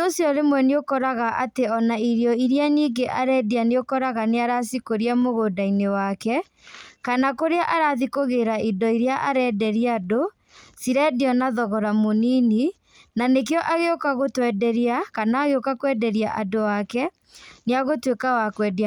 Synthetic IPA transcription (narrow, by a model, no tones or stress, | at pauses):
oosjɔɾemwɛneokɔɾaɣaʔateɔnaiɾɔiɾianiːɡeʔaɾɛdianeokɔɾaɣaneaɾasikoɾiamoɣodainewakɛ | kanakoɾeaʔaɾaðikoɣeɾaʔidɔiɾjaʔaɾɛːdɛɾiado | siɾɛdiɔnaðɔɣɔɾamoniːni | nanekeɔʔaɣeokaɣotwɛdɛɾiakanaːɣeokakwɛdɛɾia̰ʔadoakɛ | neaɣotwekawakwɛda